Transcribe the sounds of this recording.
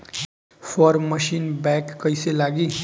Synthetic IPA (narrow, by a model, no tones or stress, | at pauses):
fpʰʌɾmʌsinbakːʌjselaɡi